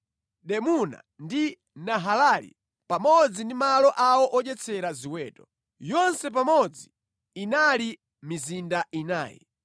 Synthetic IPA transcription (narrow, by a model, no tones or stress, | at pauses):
ɗɛmuna̰ | ndi | naɦalalḭ | pamɔd͡zindimalɔʔawɔʔɔʄɛt͡sʰɛɾaziwɛːtɔ | jɔnsɛp̬amɔd͡zi | inali | mizindaina̰ːjɛ̰